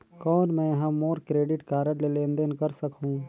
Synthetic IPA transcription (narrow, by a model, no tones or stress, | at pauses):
kɔːnmɛ̃jɐɦãmoːɾkɾeːɖɪʈkaːɾəlelẽːnd̪ənkɐɾsɐkɦũː